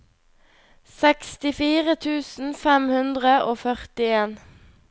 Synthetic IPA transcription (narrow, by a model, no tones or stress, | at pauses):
sɛkst̪ɪfiːʁət̪ʰʉːsn̩fɛmhʉnd̪ʁəʔoːfœʁt̪ɪeːn